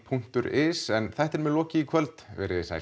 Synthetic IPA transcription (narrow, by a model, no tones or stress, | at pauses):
pʰuŋ̥t̪ʏɾɪsɛnθaht̪ɛɾmɛðlɔːcɪikʰvœlt̪vɛːɾɪðɪsa̰j